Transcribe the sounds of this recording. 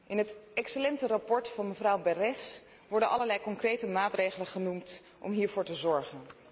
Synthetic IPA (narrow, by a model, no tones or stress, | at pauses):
ʔɪnɦətɛksəlɛntərɑpɔɹtfɑnməvrɑwbɛrɛs | ʋɔɹdənʔɑ̰ləɹlɛjkɔŋkrejtəmaːtrejχələnχənumt | ʔɔ̰mɦiːɹvʊːɹtəzɔɹχən